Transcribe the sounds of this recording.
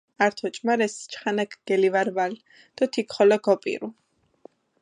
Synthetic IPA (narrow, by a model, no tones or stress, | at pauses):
aɾt̪ʰɔt͡ʃʼmaɾɛst͡ʃʰʼχanakʰɡ̥ɛlivaɾval | d̪̥ɔt̪ʰikʰχɔlɔɡɔpʼḭɾu